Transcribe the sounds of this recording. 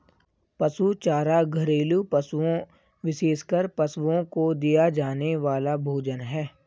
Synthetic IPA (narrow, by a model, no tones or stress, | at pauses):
pɐsut͡ʃaːɾaɡʱɐɾeːlupɐsuõ | ʋɪʃeːskəɾpɐsõkod̪ijad͡ʒaːneʋaːlabʱoːd͡ʒənɦɛː